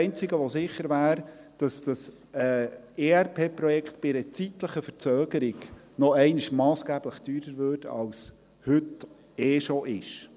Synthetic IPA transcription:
ɪnt͡sɪɡəʋɔsɪχəɾʋæːɾd̥ɑsd̥ɑs | ɛ | eːæɾpʰeːpɾɔjɛkʰt̪b̥ɪɾət͡sit̪ləχəfəɾt͡søːɡ̥əɾɪɡ | nɔɛɪnɪʃmɑːsɡ̥æːb̥ləχd̥yːɾəɾvørtɑ̰ls | hɵt | eːʃoʔɪʃ

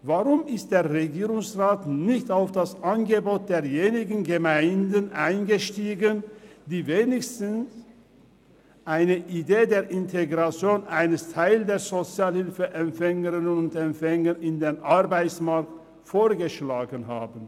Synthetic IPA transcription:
vaʁʊmɪst̚d̥eːɐʁeɡiːʁʊŋsʁaːtnɪçtaʊfd̥asʔanɡəboːt̚d̥eːɐjeːnɪɡn̩ɡəmaɪndənʔaɪnɡəʃtiːɡənd̥iːveːnɪçstn̩s | ʔaɪnəʔideːdeːɐʔɪntʰeɡʁat͡sjoːnʔaɪnəstʰaɪldeːɐzot͡sjaːlhɪlfəʔɛmpfɛŋəʁɪnənʊntɛmfɛŋəɪndeːnʔaʁbaɪt͡smaɐk̚t | foːɐɡəʃlaːɡənhaːbən

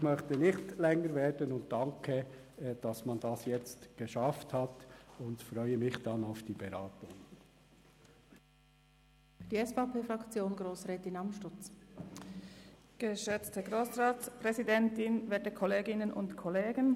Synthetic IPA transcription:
ɪxmœχtənɪxtlɛŋəɾveːɹdənʊnt̚dɑŋkʰə | d̥ɑsmɑndɑsjɛt͡stɡ̥əʃɑfthɑtʊntfɾœʏəmɪxd̥ɑnaʊfd̥iːbɛɾɑːtʊŋ | fd̥iɛsfɑpʰeːfɾɑkt͡sjoːnɡɾoːsʁɛːtɪnɑmʃtʊt͡s | ɡ̥əʃøt͡stəɡɾoːsraːspʁɛzidɛntɪnvɛːtəkʰɔleːɡɪnənʔʊ̰ntkʰɔleːɡən

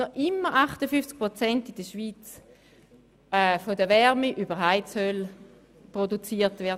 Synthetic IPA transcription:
nɔʔɪmːəʁaχtəfyft͡sk̚pʁot͡sɛntid̥əʃʋiːt͡s | ɛfodəʋɛʁmiʔybəʁɦaɪtshøl | pʁodut͡siːɐtvɛɐd

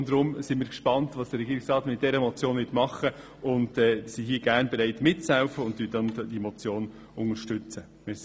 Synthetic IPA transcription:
ndɾʊmsɪnmiːɾkʃpɑntʋɑːsd̥əɾɛɡiːɾɪksrɑːtmɪt̚d̥ɛɾəmɔt͡sjoːnʋɪtmɑχə | ʊndɛːsiɦiːəɡ̥æɾnbɛɾɛɪtmɪt̚t͡shɛʊfəʊntdydɛnd̥imɔt͡sjoːn | ʊŋəɾʃtʏt͡sə | mɪ

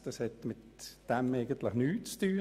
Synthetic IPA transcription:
d̥ɑshɛt̪mɪt̪d̥ɛmeɪɡənt̪ləχnyːt͡st̪yː

